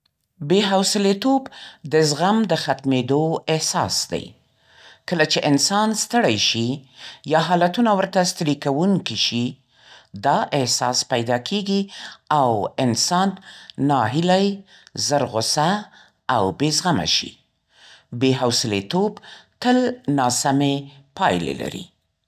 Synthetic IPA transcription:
beɦawsɪlet̪obd̪əzɣamd̪əxat̪med̪oɪhsɑ̰sd̪a̰j | kəlat͡ʃeʔɪnsɑnst̪əɽajʃijɑɦɑlat̪unawəɾt̪ast̪əɾikawuŋkiʃi | d̪ɑʔɪhsɑ̰spajd̪ɑkʰeɡiawɪnsɑnːɑɦɪlaj | zəɾɣʊsaː | wbezɣama̰ʃḭ | beɦawsɪlet̪obt̪əlnɑsamepɑjlḛla̰ɾḭ

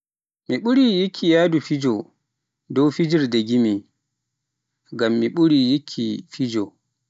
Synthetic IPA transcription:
miɓuɾijikʰːijaːdufid͡ʒɔ | dɔwfid͡ʒiɾdeɡimi | ɡamːiɓuɾijikʰːḭfid͡ʒɔ

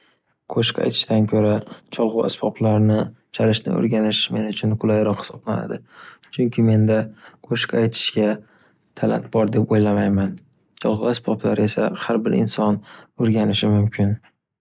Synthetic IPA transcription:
kʰoʃka̰jt̪ʰɪ̥ʃt̪ankʲʰoɾat͡ʃʰɒlˠʁʊa̰sbɒplaɾnɪ | t͡ʃʰalɪʃnɪ̰o̰ɾɡʲanɪʃme̞nɪʊt͡ʃʰʊnkʰʊlˠajɾɒqhɪ̥sɒblana̰d̪ɪt͡ʃʰʊŋkʲʰɪme̞nd̪akʰoʃkajt̪ʰɪ̥ʃɡʲa | t̪ʰala̰nt̪bɒɾd̪epojlamajman | t͡ʃʰɒlˠʁʊasbɒblaɾe̞sahaɾbɪɾɪ̰nsɒnoɾɡʲanɪʃɪmʊmkʲʰɪn

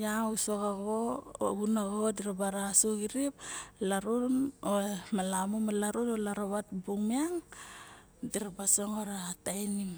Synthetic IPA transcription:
jasoɣaɡo̰ɡunaɡodiɾabaɾasoɡiɾiplaɾunomalamomalaɾunolaɾaβatbuŋmiaŋ | diɾabasoŋoɾatajnim

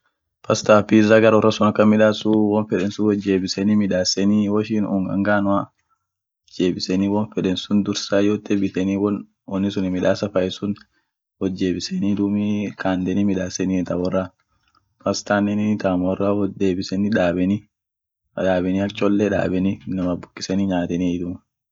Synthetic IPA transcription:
pɐst̪aːfizɐɡɐɾwɔrːɐsʊnɐkːɐmɪᶑaːsʊwɔnfɛᶑɛnsʊwɔd͡ʒːe̞ːbɪsɛnimɪᶑaːsɛniwɔʃiːnʊ̰ŋɡɐ̰ŋɡaːnʊa | d͡ʒe̞ːbɪsɛniːwɔnfɛᶑɛnsʊnd̪ʊɾsaːjoːt̪ːɛbɪt̪ɛniːwɔn | wɔnːɪsʊnɪmɪᶑaːsɐfɐjɛsʊn | wɔd͡ʒːe̞ːbɪsɛnid̪ʊmikaːnd̪ɛniːmɪᶑaːsɛnit̪ɐbɔrːɐ | fɐst̪aːnːɛnɪt̪amɔrːad̪eːbɪsɛnɪᶑaːbɛni | ᶑaːbɛniːɐt͡ʃʼɔlːɛᶑa̰ːbɛninɐmɐbʊkʼːɪ̥sɛniːɲaːt̪ɛnid̪ʊm

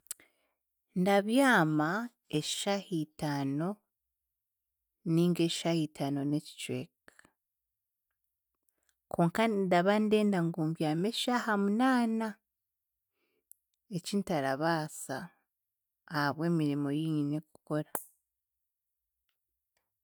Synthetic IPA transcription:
ndaβjaːma | eʃahitano̞ | niːŋɡe̞ʃʃahitʰano̞neci̥t͡ʃḛk | kʰoːŋkadaβande̞ːndaŋɡuːmbjaːmeʃahamunaːna | ecintaɾaβaːsa | haβwe̞ːmiɾimo̞jiːɲine̞ku̥ko̞ɾa

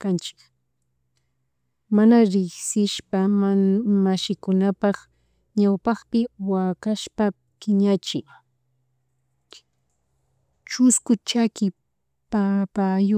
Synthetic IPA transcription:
kant͡ʃɪ̥k | manaɾɪχsɪʃpa | maʃɪkʊnapɑχ | ɲawpɑχpɪwakaʃpa | kɪɲat͡ʃɪj | t͡ʃʊskʊt͡ʃakɪ | papajʊ

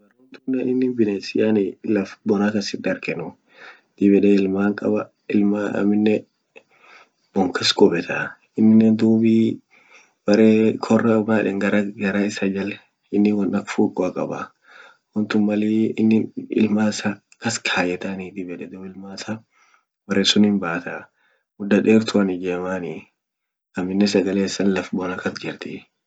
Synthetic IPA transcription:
bɐrːont̪ʊnːɛɪnːɪnbɪneːsɪjanɪlɐfbɔnakɐsɪd̪ɐɾkɛnʊ | d̪̥ɪbɛᶑɛɪlmaːŋkʼɐ̰bɐ | ɪlmaɐ̰mːɪnːɛ | b̥ɔŋkɛskʼɔbɛt̪ʰa | ɪnːɪnːɛnd̪uːbiː | b̥ɐɾeːkʰɔrːɐbaːᶑɛŋɡɐɾɐɡɐɾaɪsɐd͡ʒɐlɛ | ɪnːɪwɐnɐkfuːkʼːɔɐkʼɐ̰bɐ̰ | wɔnt̪ʊmmɐliːɪnːɪɪ̰lmaːsa | kɐskʰaːjɛt̪aniːt̪ɪbɛᶑɛd̪ɔːɪlmaːsa | bɐɾeːsʊnɪmbaːt̪a | mʊd̪ːɐᶑeːɾt̪ʰʊɐnɪd͡ʒeːmaːni | ɐmːɪnːɛsɐɡɐleːsːɐnlɐfbɔːnɐkɐsd͡ʒɛɾt̪iː

